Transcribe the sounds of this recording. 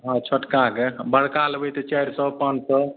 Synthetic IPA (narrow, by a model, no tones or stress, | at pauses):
ɦɔ̃t͡ʃʰəʈkakebəɽ̤kalbejt̪et͡ʃɛjɾsəpənsə